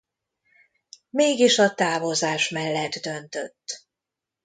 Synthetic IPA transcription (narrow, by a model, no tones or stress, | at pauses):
meːɡiʃɒt̪aːvo̞zaːʃmɛlːɛd̪d̪ønt̪øt̪ː